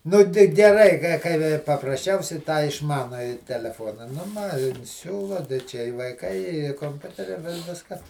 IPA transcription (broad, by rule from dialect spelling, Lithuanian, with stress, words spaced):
ˈnʊ ɡʲɪ ɡʲɛˈrɐɪ kɐɪ ˈkɐɪ pɐprɐsʲˈt͡ʃʲɛʊsʲɛɪ ˈtɑː ɪʃˈmɑːnʊjɪ tʲɛlʲɛˈfoːnɐ nʊ ˈmɐ ˈsʲuːlˠɐ tɐɪ ˈt͡ʃʲɛ ɪ ʋɐɪˈkɐɪ ɪ koːmʲˈpʲʊtʲɛrʲɪ ʋʲɪ ˈʋʲɪskɐ